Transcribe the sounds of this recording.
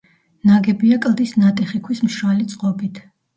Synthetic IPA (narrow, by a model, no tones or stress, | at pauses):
naɡɛbiakʼlˠd̪isnat̪ʼɛχikʰwismʃɾalit̪sʼqʼɔbit̪ʰ